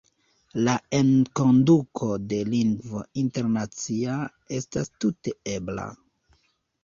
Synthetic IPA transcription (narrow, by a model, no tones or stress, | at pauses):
lae̞nko̞ndukʰo̞de̞liŋɡvointe̞ɾnat͡sia | e̞stastute̞e̞bla̰